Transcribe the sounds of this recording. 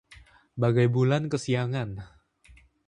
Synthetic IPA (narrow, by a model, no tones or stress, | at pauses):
baɡajbulankəsiaŋan